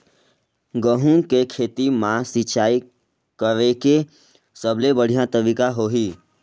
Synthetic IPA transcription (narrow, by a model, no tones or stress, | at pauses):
ɡəɦũkekʰeːt̪imãsɪt͡ʃaːi | kəɾeke | səblebəɽ̤ijãt̪əbikaɦoːɦiː